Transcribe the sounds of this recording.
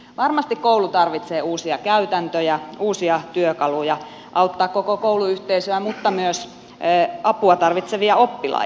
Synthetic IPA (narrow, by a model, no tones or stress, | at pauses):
ʋɑrmɑst̪ikkoulut̪ɑrʋit̪seːuːsiɑkæyt̪ænt̪øjæuːsiɑt̪yøkɑlujɑ | ʔɑut̪ːɑːkkokokouluyht̪eisøæmut̪ːɑmyøsː | ɑpuɑt̪ɑrʋit̪seʋiɑopːilɑ̰